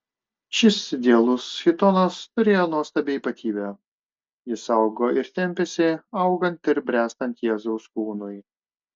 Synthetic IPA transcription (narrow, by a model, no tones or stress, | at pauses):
ʃʲɪsd̪ʲeɛlˠʊsxʲɪt̪ɔnɐst̪ʊɾʲeːjoːnuɔst̪ɐbʲeːiːpɐt̪ʲiːbʲɛ | jɪsɐʊɡoːʔɪɾt̪ʲɛmʲpʲɛsʲɪɐʊɡɐnt̪ɪɾbʲɾʲæːst̪ɐnʲt̪jeːzɔʊskuːnʊj